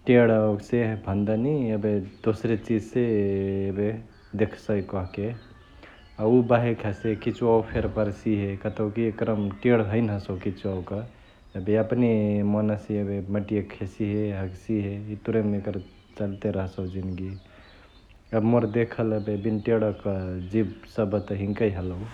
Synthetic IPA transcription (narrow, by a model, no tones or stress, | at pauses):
ʈeɽaoksebʱənd̪aniəbed̪osɾet͡ʃid͡ʒsebe | d̪ekʰsəjkɔɦke | aubaɦekʰesekit͡ʃwawpʰeɾpəɾsiɦekət̪owkiekɾəmʈeɽɦəɪnɦəsowkit͡ʃawkə | əbeəpnimɔnəsiebeməʈijekʰesiɦeɦəɡsiɦeit̪uɾemekəɾ | t͡ʃəlt̪eɾəɦsəwd͡ʒinɡi | əmoɾd̪ekʰələbebinʈeɽəkəd͡ʒibsəbʱət̪əɦĩŋkəjɦələw